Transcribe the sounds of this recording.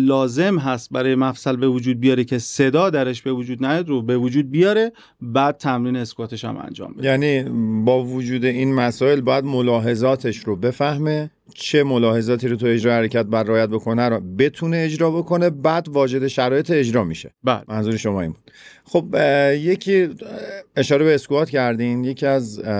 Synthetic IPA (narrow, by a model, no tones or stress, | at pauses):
lɒːze̞mɦæst̪̚bæɾɒːjemæfsælbe̞vod͡ʒuːd̪̚bijɒːɾecʰe̞se̞d̪ɒːd̪æɾeʃbe̞vod͡ʒuːd̪næjɒd̪ɾobe̞vod͡ʒuːd̪̚bijɒːɾe̞ | bæːd̪̚t̪ʰæmɾiːneːskɒːt̪ʰe̞ʃæ̰mʔæ̰nd͡ʒɒ̰ːmbejæniːbɒːvod͡ʒuːd̪e̞iːnmæsɒːe̞lbːjæd̪molɒːɦe̞zɒːt̪ʰe̞ʃɾobe̞fæhme̞ | t͡ʃʰe̞mo̞lɒːhe̞zɒːt̪ʰiːɾot̪ʰue̞d͡ʒɾɒːjhæɾecʰæt̪̚bæɾreɒːjæt̪̚bo̞kʰoneæɾbe̞t̪ʰune̞ːd͡ʒɾɒːbo̞kʰo̞ne̞bæːd̪vɒːd͡ʒe̞d̪e̞ʃæɾɒːje̞t̪ʰeːd͡ʒɾɒːmiʃe̞̰bælmænzuːɾeʃo̞mɒːḭmbud̪̥xobje̞cʰiː | e̞ʃɒːɾe̞beːskuɒːt̪cʰæɾd̪inje̞cʰiæz